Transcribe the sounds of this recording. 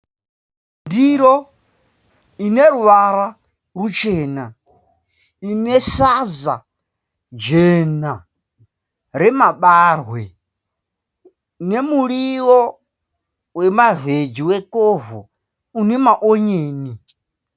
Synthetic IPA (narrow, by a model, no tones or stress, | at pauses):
ndiɾɔ | inɛɾuwaɾa | ɺut͡ʃʰɛːna | inɛsaza̰ | d͡ʒɛna | ɾɛmaɓaːrwɛ | nɛmuɺiwɔ | wɛmaved͡ʒiwɛkʼɔvɔ̰ | unɛmaʔɔɲeːni